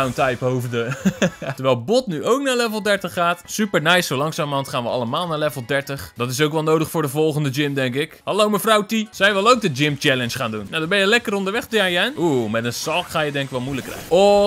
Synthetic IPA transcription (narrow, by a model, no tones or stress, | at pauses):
wntajpɦowvdətəɹʋɛjlˠbɔtnyowknaːɹlɛvəl̩ˠdɛɹtəχːaːtsypəɹnɛjsowlɑŋsaːmɔntχaːnʋəɑ̰ləmaːlˠnaɹlɛvəl̩ˠdɛɹtəχdɔtɪs̬owkʋɛlˠnowdəχfʊːɹdəvɔlˠχəndəd͡ʒɪmdɛŋkɪkhɑlowməvrawtisɛjʋɪlˠowk̚dəd͡ʒɪmt͡ʃɛlənsχaːndunnawdɔnbɛnjəlɛkəɾɔndəɹʋɛχtjajɛnumɛtənsɑlˠkχaːjədɛŋkɪkʋɛlˠmujləkrɛ̰jəɔ